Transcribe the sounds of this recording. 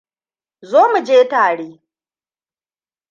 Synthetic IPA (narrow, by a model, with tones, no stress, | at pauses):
zoː˦mu˨d͡ʒeː˦taː˨ɽeː˦